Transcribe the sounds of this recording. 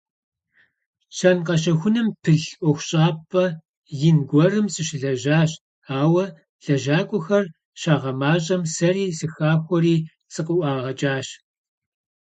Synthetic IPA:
t͡ʃʰɐnqɐɕ̬ɐxʷʊnɐmpʰɨɮʔʷɔxʷɕʼaːpʼɐ | jɪnɡʷɔrɨmsɨɕɪɮɐʑaːɕ | aːwɐ | ɮ̥ɐʒaːkʷʼʊxɐr | ɕaːʁɐmaːɕʼɐmsɐriːsɨxaːxʷɔɾiː | sɨqʊʔʷɑːʁɐt͡ʃʼaːɕ

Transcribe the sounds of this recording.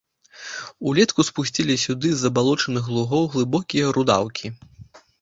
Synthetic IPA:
ulʲɛt̪kuspusʲt͡sʲilʲisʲud̪ɨzːɐbalˠɔt͡ʂɐnɨɣlˠuɣɔwɣlˠɨbɔkʲijɐɾud̪a̰wkʲʰi

